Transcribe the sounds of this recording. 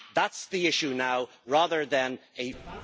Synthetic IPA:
ðætsðiɪʃunaʊ | ɹæðə˞ðɨ̃nɨ

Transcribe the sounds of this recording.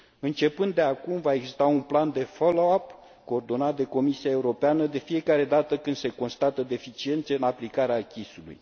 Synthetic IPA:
ɨnt͡ʃe̞pɨnd̪e̞akumvaeɡzist̪aunpland̪e̞folo̞ap | ko̞ːrd̪o̞nat̪̚d̪e̞ko̞misiae̞uɾo̞peanəd̪e̞fie̞kaɾe̞d̪at̪əkɨnd̪̥se̞ko̞nst̪at̪əd̪e̞fit͡ʃie̞nt̪seɨnaplikaɾeakʲisulṵj

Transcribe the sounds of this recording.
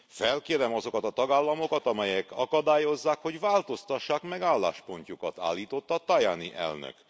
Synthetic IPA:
fɛlkeːɾɛmɒzo̞kɒt̪ɒt̪ɒɡaːlːɒmo̞kɒt̪ɒmɛjɛkʰɒkɒd̪aːjo̞zːaːkho̞ɟvaːlt̪o̞st̪ɒʃːaːkmɛɡaːlːa̰ːʃpo̞ɲcukɒt̪a̰ːlːiːt̪o̞t̪ːɒt̪ɒjaːniʔɛ̰lnø̰k

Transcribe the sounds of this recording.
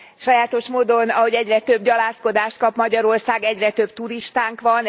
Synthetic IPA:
ʃɒjaːt̪o̞ʃmoːd̪o̞nɒɦo̞ɟɛɟrɛt̪ø̞bɟɒlaːsko̞d̪aːʃt̪̚kɒpmɒɟɒɾo̞rsaːɡɛɟrɛt̪øbt̪uɾiʃt̪aːŋkʋɒn

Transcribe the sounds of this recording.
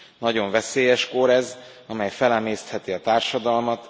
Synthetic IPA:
nɒɟo̞ɱvɛseːjɛʃko̞ɾɛz | ɒmɛjfɛlɛmeːst̪hɛt̪iɒt̪aːrʃɒd̪ɒlmɒt̪

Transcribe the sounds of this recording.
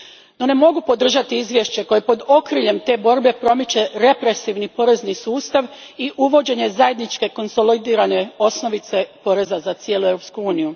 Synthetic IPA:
no̞ne̞mo̞ɡupo̞d̪r̩ʒat̪iizʋje̞ʃt͡ɕe̞ko̞jepo̞d̪o̞kɾiʎe̞mt̪e̞ːbo̞ɾbe̞pɾo̞met͡ɕeɾe̞pɾe̞siʋnipo̞ɾe̞znisuːst̪aʋiʔuʋo̞d͡ʑe̞ɲe̞zaje̞d̪nit͡ʃke̞ko̞nso̞lid̪iːɾane̞o̞sno̞ʋit̪se̞po̞ɾe̞zazat̪sjelue̞vɾo̞p̪skuuːniju

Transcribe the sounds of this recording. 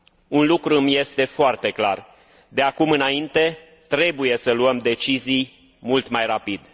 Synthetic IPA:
unlukɾuɨmje̞st̪e̞foart̪e̞klar | d̪eakumɨnaint̪e̞ | t̪ɾe̞buje̞səluəmd̪e̞t͡ʃizij | mult̪majrapid̪

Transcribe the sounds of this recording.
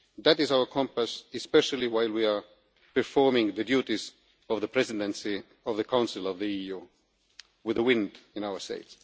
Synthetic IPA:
ðætɪzaʊə˞kʰɔ̃mpəsɨspɛʃəl̩ˠiwaɪlˠwia˞ | pəɹfɔɹmɪ̃ŋðɨdjutiz | ɔvðəpʰɹɛzɪdə̃nsi | ɔvðəkʰãʊ̃nsɪlˠɔvðiiju | wɪðəwɪ̃ndɪ̃naʊə˞stḛɪts

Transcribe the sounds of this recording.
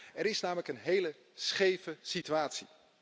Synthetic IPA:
ɛɾɪsnaːmələkənɦejlə | sχejvəsityaːtsi

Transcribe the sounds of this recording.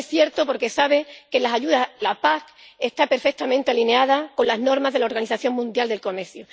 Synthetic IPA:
esθje̞ɾt̪opo̞ɾke̞saβ̞e̞ke̞lasaʝuðalapake̞st̪ape̞ɾfe̞k̚t̪amẽnt̪e̞aline̞að̞ako̞nlazno̞ɾmazðe̞lao̞ɾɣaniθaθjo̞ŋmũnd̪jald̪e̞lkome̞ɾθju

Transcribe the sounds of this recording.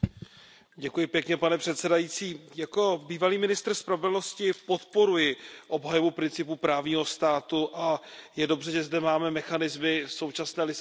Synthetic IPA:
ɟɛkujɪpjɛkɲɛpanɛpr̥ɛt̪sɛdajit͡siːjako̞biːvaliːmɪnɪst̪r̩spɾavɛdlno̞scɪpo̞t̪po̞ɾujɪʔo̞bɦajovupɾɪnt͡sɪpupɾaːvɲiːɦo̞st̪aːt̪uʔajɛdo̞br̝ɛʒɛzdɛmaːmɛmɛxanɪzmɪso̞wt͡ʃasnɛːlɪ

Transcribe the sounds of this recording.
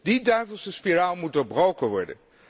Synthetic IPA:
didœɥvəlˠsəspiraːlˠmut̚doːɹbrowkəʋɔɹdə̰n

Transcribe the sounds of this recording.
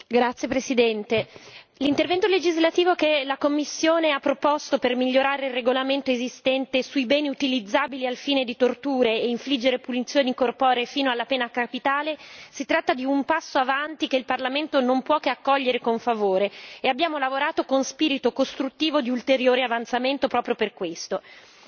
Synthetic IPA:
ɡɾat̪sːjepɾesid̪ɛnt̪e | lint̪ervɛnt̪oled͡ʒizlat̪iːvokelakomːisːjoːneapːɾopost̪opermiʎːoɾaːɾeilreɡolament̪oezist̪ɛnt̪esuibɛːniut̪ilid̪zːaːbilialfiːned̪it̪ort̪uːɾeːiɱflid͡ʒːeɾepunit̪sːjoːnikorpɔːɾefiːnoalːapɛːnakapit̪aːlesit̪ɾat̪ːad̪iumpasːoavant̪ikeilparlament̪onompwɔkeakːɔʎːeɾekoɱfavoːɾeːabːjaːmolavoɾaːt̪okonspiːɾit̪okost̪ɾut̪ːiːvod̪iult̪eɾjoːɾeavant̪sament̪opɾɔːpɾjoperkwest̪o

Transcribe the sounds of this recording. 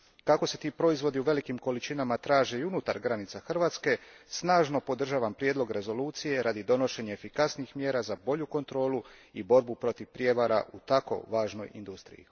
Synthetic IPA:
kako̞se̞t̪iːpɾo̞izʋo̞d̪iuʋe̞likimko̞lit͡ʃinamat̪ɾaːʒe̞iunut̪aɾɡɾanit̪saxr̩ʋaːt̪ske̞snaːʒno̞po̞d̪r̩ʒaːʋampɾje̞d̪lˠo̞ɡɾe̞zo̞luːt̪sije̞ɾad̪id̪o̞no̞ʃe̞ɲeefikasniixmje̞ːɾazabo̞ʎuko̞nt̪ɾo̞ːluibo̞ɾbupɾo̞t̪iʋpɾje̞ʋaɾa̰ʔut̪ako̞̰ʋaːʒno̞̰jḭnd̪ust̪ɾḭjḭ

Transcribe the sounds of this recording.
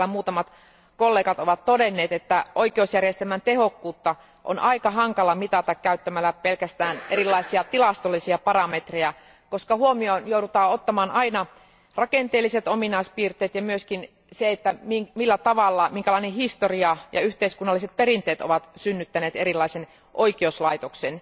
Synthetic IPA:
æmuːt̪ɑmɑt̪ | kolːeːkɑt̪oʋɑt̪t̪odenːeːt̪et̪ːæʔoikeousjærjest̪elmænt̪ehokːuːt̪ːɑ | ʔo̰nʔɑikɑɦɑŋkɑlɑmit̪ɑt̪ɑkkæyt̪ːæmælːæpelkæst̪æːnʔerilːˑɑisiɑt̪ilɑst̪olːisiɑpɑrɑmet̪rejæ | koskɑhuomionjoudut̪ɑːot̪ːɑmɑːnɑinɑ | rɑkent̪eːlːˑiset̪ominɑispiːrt̪eːt̪jɑmyøskin | seet̪ːæmiŋmilːæt̪ɑʋɑlːɑmiŋkælɑinehist̪oriɑjɑ̰yht̪eiskunːɑlːiset̪̚perint̪eːt̪o̰ʋɑt̪synːyt̪ːæneːt̪erilːˑɑisen | ʔoikeouslɑit̪oksen

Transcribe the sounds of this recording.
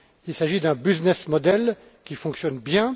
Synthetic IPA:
ilsaʒid̪ɛ̃biznɛsmɔd̪ɛl | kʲifɔ̃ksjɔnbjɛ̃

